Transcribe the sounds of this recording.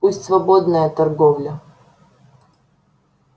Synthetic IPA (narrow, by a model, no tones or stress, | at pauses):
usʲtʲsvɐbod̪nəjət̪ɐrɡovlʲə